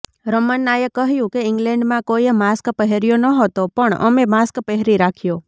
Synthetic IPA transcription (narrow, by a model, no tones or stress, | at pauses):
ɾəmənːajəkəɦjũkeɪŋɡlɛ̃ɳɖmãkojmaskpəɦeɾijonəɦət̪opəɳə̰memaskpəɦɾiɾakʰjo